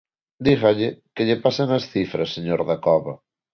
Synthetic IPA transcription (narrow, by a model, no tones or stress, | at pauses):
d̪iɣaʎekeʎepasanɐsθifɾɐsːeɲoɾðɐkɔβɐ